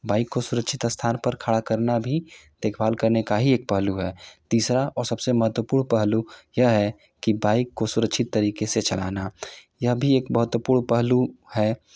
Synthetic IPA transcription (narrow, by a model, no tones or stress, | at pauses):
baːɪkːosʊɾəkʃʰɪt̪əst̪ʰaːnpəɾkʰaːɽakəɾnabʱi | d̪̥eːkʰbaːlkəɾnekaɦieːk̚pəɦluɦɛːt̪iːsɾaʔɔːɾsɐbseməɦət̪wəpuːɾɳpəɦlujɐɦɛ | kibaːɪkːosʊɾəkʃʰɪt̪ːəɾiːkeset͡ʃɐla̰ːna | jəɦbʱieːkbəɦət̪wəpuːɾɳpəɦluhɛː